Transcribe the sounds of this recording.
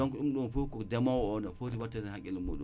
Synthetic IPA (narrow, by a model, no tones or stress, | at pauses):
ɔŋkɔɗumɗunfukɔdɛmawɔnafoɾiwatːanɛhakʲːɛlumːo̰ɗṵ